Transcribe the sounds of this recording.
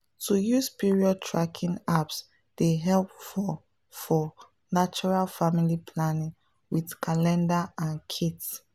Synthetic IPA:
tujuspiɹiɔd̚tʰɹakʰĩŋaps | d̥eɦɛlpfɔ | fɔ | nat͡ʃuɹalfamilipʰlanĩŋ | widkʰalɛ̃ndaãnkʰits

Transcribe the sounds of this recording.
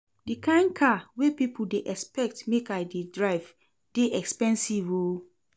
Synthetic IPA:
dikʰãɪ̃nkʰawepipʰudeʔɛkspɛk̚tmekajdedɹaɪv | d̥eʔɛkspɛ̃nsivo

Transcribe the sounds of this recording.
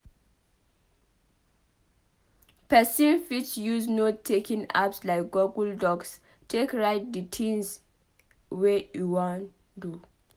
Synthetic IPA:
pɛsĩnfit͡ʃjuznotʰːekĩŋa̰pslaɪk̚ɡɔɡuldɔɡs | tʰekɹaɪt̚ditʰĩns | wejuwãn | du

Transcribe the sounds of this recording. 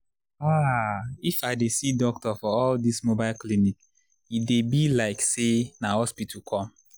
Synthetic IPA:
aifaɪdesidɔk̚tɔfɔɔldismobaɪlklinik | idebilaɪksenahɔspitʰukʰɔ̃m

